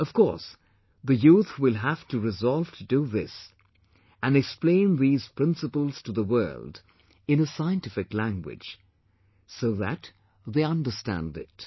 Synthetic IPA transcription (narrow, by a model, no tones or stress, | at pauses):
ʌv̥kʰɔ̰ɹs | ðɨjuθwɪlˠɦæftɨɹɨzɑlˠv̥tʰɨdɨðɪs | ɨ̃nɨksplẽɪ̃nðiz̥pʰɹ̥ɪ̃nsəpəl̩ˠz̥tʰəðəwɜ̰˞lˠd | ɨ̃nəsaɪɨ̃ntɪfɨklæ̃ŋɡwɪ̰d̥ʒ̥ | soʊðæ̰t | ðeɪʌ̃ndə˞stæ̰̃ndɪ̰t̚